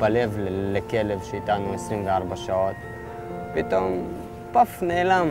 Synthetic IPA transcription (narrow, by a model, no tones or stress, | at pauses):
balevlekelevʃeit̪anuesɾinveaɾˤbaʃaʕot̪ | pit̪om | pafneʕlam